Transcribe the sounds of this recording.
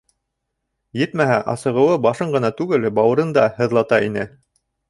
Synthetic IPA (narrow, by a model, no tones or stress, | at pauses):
jɘt̪mæɦæʔɑ̰sɤ̆ʁɤ̆wɤbɑʃɤɴɢɤ̆nɑt̪ʉɡɘlbɑwɤ̆ɾɤnd̪ɑhɤ̆ðlˠɑt̪ɑinɘ